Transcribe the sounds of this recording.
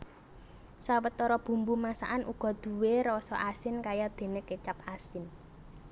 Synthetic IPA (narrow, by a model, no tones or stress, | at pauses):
sawət̪ːɔɾɔb̥ṳmbumasa̰ʔanʔuɡ̥ɔ̤d̪̥ṳweɾɔsɔʔasɪnkajad̪̥e̤nɪket͡ʃapasɪn